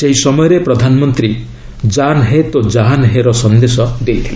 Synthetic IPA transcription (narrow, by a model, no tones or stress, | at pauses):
seɦisɔmɔjɔɾepɾɔd̪ʱanɔmɔnt̪ɾi | d͡ʒanɦet̪od͡ʒaɦanɦeɾɔsɔnd̪esɔd̪ejt̪ʰile